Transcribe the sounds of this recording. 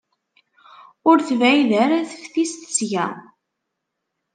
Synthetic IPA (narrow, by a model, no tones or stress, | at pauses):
ʊɾθvæjðæɾæθə̥ffist̪ə̥sjʝæ̰